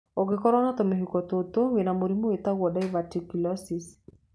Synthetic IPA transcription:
oɡɪkɔɾɔnat̪omeɦukɔt̪ot̪owenamoɾimoet̪awɔdaivatikilɔsis

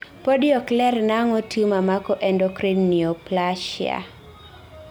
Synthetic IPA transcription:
pɔdjɔklɛrnaŋɔtʰumamakɔʔɛndɔkɾinniɔplaʃɪa̰

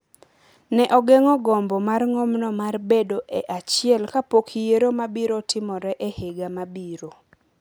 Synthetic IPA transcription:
nɛʔɔɡɛŋɔɡɔmbɔmarŋomnɔmarbedoʔeʔat͡ʃɪɛlkapokʰijeɾomabiɾotɪmɔɾɛʔeheɡamabiɾo

